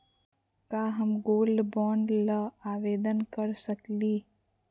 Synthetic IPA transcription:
kaːɦəmɡoːlbɔːɳɖləaːʋeːd̪ənkəɾsəkliː

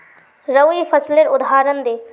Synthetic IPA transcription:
ɾɐʋipʰɐsleɾʊd̪ʱɦaːɾənd̪eː

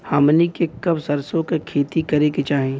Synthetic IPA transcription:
haːmnikekɐbsɐɾsõkekʰeːt̪ikɐɾeket͡ʃaːɦẽː

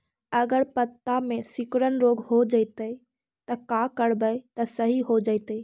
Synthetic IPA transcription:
əɡəɾpət̪ːamẽsɪkɾənɾoːɡhod͡ʒəɪt̪ə | t̪əkakəɽbəjt̪əsəɦiɦod͡ʒəɪt̪ə

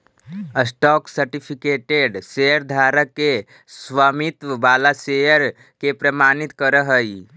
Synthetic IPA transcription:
əsʈɔːksəɾʈipʰikeʈeɖsejəɾd̪ʱaːɾəkːe | sʋamit̪ʋəbaːlasejəɾ | kepɾəmaːnit̪kəɾəɦəi

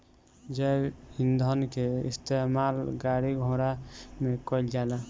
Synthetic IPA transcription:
d͡ʒɛhind̪ʱənkeḭst̪emalɡaɾiɡʱõɾamekɔild͡ʒala

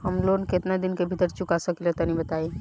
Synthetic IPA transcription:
ɦəmlonket̪nad̪ɪnkebʱit̪əɾt͡ʃukasəkelet̪ɔnĩbət̪ai

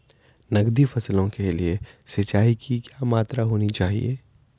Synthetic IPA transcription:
nɐɡd̪ifʰɐslõkeliesɪt͡ʃaːikʰikjamaːt̪ɾaɦoːnit͡ʃaːɦḭḛː

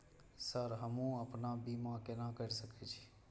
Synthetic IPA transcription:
səɾɦəmũːəpnaːbiːmãkenãːkəɾsəkʰet͡ʃʰi̥ː

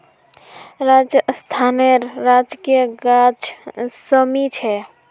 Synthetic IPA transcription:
ɾaːd͡ʒjəst̪ʰaːneɾːaːd͡ʒkijəɡad͡ʒsəmit͡ʃʰɛ

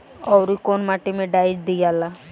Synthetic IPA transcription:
ɔwɾikonmaʈimẽɖaid͡ʒd̪ijala

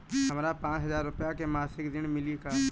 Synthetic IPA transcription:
ɦəmɾapãːt͡ʃɦəzaːɾːʊpjakemaːsɪkd̪ɪñmɪlika

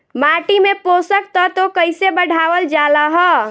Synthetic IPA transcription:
maʈimeposək̚t̪ɔt̪okəɪsebəɽ̤ʱaːʋəld͡ʒaləɦə

